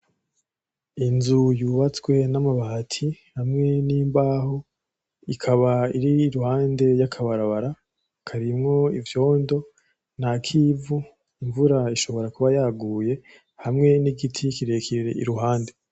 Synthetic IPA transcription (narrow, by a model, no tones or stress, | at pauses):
inzujuːβat͡swe̞namaβahatʰihamŋe̞nimbaːho | ikʰaβaiɾiːɾuhaːnde̞jakʰaβaɾaβaɾa | kʰaɾimŋo̞ivjo̞ːndo̞ | nakʰiːvu | iɱvuɾaiʃo̞βo̞ɾakuβajaːɡuːje̞ | hamŋe̞niɡitʰikiɾe̞ːkʰiɾiɾe̞̰ʔḭɾuɦaːnde̞